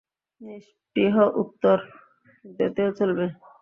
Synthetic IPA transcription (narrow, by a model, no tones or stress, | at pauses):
niʃ | ʈiɦɔʔut̪ːoɾ | d̪et̪eot͡ɕolbe